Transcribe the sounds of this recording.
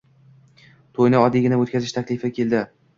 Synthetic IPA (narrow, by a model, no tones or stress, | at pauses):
t̪ʰojnɪɒd̪ɪɡʲɪnaot̪̚kʲazɪʃt̪ʰakʲlɪfɪkʲʰe̞ld̪ɪ